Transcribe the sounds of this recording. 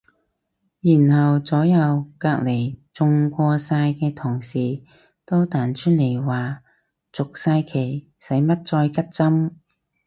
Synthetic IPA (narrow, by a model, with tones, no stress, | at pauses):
jiː˨˩nhɐ˨wt͡sɔː˨˥jɐ˨˧wkaː˧k̚le˨˩jt͡sʊ˧ŋkʷɔː˧saː˧jkɛː˧t̪ʰʊ˨˩ŋsiː˨ | t̪o˥wt̪aː˨nt͡ʃʰɵ˥n̚le˨˩jwaː˨˩ | t͡sʊ˨k̚saː˧jkʰe˨˩j | sɐ˨˥jmɐ˥t̚t͡ʃɔː˧jkɐ˥t̚t͡sɐ˥m